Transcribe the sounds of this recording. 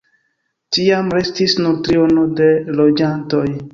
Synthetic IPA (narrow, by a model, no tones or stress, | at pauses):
tiamɾestisnutɾionodelod͡ʒantoj